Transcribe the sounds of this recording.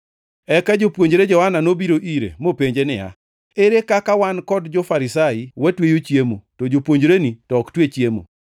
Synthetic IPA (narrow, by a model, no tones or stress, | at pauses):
ɛkad͡ʒopwoɲd͡ʒɾed͡ʒɔhananobiɾoʔiɾḛmopeɲd͡ʒenɪ̰ja̰ | eɾekakawankɔdd͡ʒɔfaɾɪsaɪwatwejot͡ʃjemotod͡ʒopwoɲd͡ʒɾenitɔktwet͡ʃjemo̰